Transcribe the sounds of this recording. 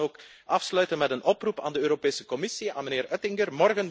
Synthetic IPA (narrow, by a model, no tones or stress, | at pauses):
oːk | ʔɑfslœɥtənmɛtənʔɔprupa̰ːndəøːɾopeːsəkɔmɪsia̰ːnməneːɾœtɪŋɡərmɔrɣən